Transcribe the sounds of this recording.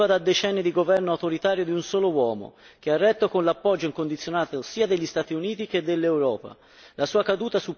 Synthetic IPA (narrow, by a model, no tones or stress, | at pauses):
vad̪ad̪ːet͡ʃɛnːid̪iɡovɛrnoawt̪oɾit̪aːɾjod̪iunsoːlowɔːmo̰k̟earːɛt̪ːokonlapːɔd͡ʒːoiŋkond̪it̪sːjonaːt̪osiːad̪eʎːist̪aːt̪iuniːt̪ik̟ed̪ːelːewɾɔːpa̰ | lasuːakad̪uːt̪asu